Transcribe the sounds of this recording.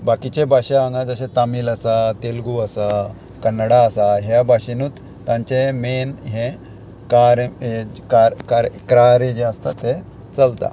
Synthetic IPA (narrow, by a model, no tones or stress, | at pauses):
bakit͡ɕebaɕaaŋɡãd͡zəɕet̪amiːlasat̪elɡuəsa | kənːəɽaəsaɦjabaɕinuːt̪ | t̪ːãɲt͡ɕemenɦẽ | kaɾkaɾkaɾkɾaɾed͡ʑeəst̪at̪e | t͡səlt̪a̰